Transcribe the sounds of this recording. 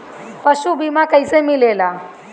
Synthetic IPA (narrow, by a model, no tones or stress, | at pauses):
pəsubimakəjsemilela